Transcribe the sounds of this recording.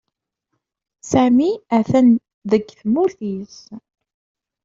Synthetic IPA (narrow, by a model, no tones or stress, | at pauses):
sæmiæθæn | ðəɡθmuθiz